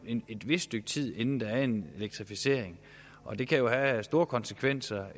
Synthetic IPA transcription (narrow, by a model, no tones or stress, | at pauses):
ee̝d̥ʋe̝sd̥øɡ̥̚t͡sʰið̞̰ˠe̝nn̩d̥ɑ̈æɐe̝ne̝leɡ̥̚t͡sʰʁifise̝̰ɐ̰eŋ | ʔɒ̽d̥e̝kʰæjo̝hæsd̥o̝ːɐkʰɒ̽nsekʰʋen̰sɐ